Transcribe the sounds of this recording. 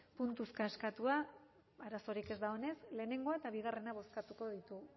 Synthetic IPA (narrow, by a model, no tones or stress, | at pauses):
punt̪uskaskat̪ua | aɾaso̞ɾike̞zd̪ao̞ne̞sle̞ːne̞ŋɡo̞aet̪aβ̞iɣ̞are̞naβ̞o̞skat̪uko̞ð̞it̪u